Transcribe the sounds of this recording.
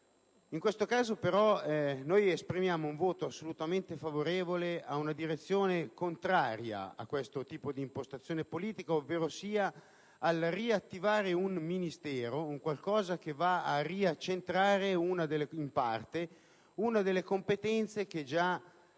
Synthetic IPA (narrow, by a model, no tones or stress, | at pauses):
iŋkwest̪okaːzopeɾɔɛnojespɾimjaːmouɱvoːt̪oasːolut̪ament̪efavoɾeːvoleaunad̪iɾet̪sːjoːnekont̪ɾaːɾja̰a̰kːwest̪ot̪iːpod̪iːmpost̪at̪sːjoːnepoliːt̪ikaovːeːɾosiːa | alriat̪ːivaːɾeunminist̪ɛːɾouŋkwalkɔːzak̟evaariat͡ʃːent̪ɾaːɾeunad̪elːeimpa̰rt̪e | unad̪elːekompet̪ɛnt̪sek̟ed͡ʒa